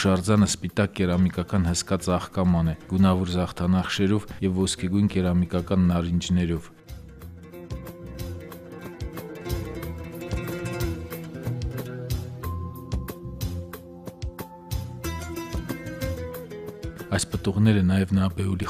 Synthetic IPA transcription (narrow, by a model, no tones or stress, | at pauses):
ʃɑɾd͡zɑnəspit̪ɑkːɛɾɑmikɑkɑnhəskɑt͡sɑχkɑmɑnɛɡ̥unɑvɔɾzɑχt̪ʰɑnɑχʃɛɾɔvjɛvːɔskʰɛɡujnkɛɾɑmikɑkɑnːɑɾind͡ʒnɛɾɔv | ɑjspət̪uʁnɛɾənɑjɛvnəɑbɛuli